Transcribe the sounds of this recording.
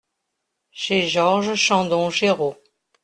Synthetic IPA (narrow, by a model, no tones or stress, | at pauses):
ʃeʒɔʁʒəʃɑ̃d̪ɔ̃ʃeʁo